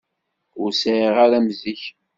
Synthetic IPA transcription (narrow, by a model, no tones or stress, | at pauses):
ʊɾsʕiʁaɾæmziç